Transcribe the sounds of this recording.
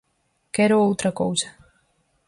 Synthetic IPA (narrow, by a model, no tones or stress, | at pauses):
kɛɾoowt̪ɾɐkowzɐ